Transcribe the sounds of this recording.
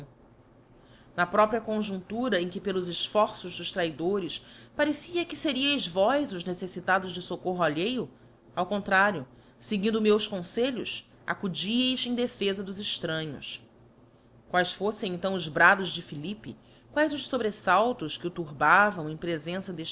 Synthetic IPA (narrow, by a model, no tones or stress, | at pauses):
nɐpɾɔpɾiɐkõʒũnt̪uɾɐẽj̃kɪpelʊzɪʃfɔɾsʊʒd̪ʊʃt̪ɾaid̪oɾɪspaɾesiɐkɪseɾiɐjzvɔjzʊʒnesesit̪ad̪ʊʒd͡ʒɪsokoɦʊaʎejʊ | awkõnt̪ɾaɾjʊ | seɡĩnd̪ʊmewskõseʎʊs | a̰kud͡ʒiejzẽj̃d̪efezɐd̪ʊzɪʃt̪ɾɐ̃ɲʊ̰s | kwajsfosẽj̃ẽnt̪ɐ̃w̃ʊzbɾad̪ʊʒd͡ʒɪfilipḭ | kwajzʊʃsobɾesawt̪ʊskɪʊt̪uɾbavɐ̃w̃ẽj̃pɾezẽsɐd̪eʃ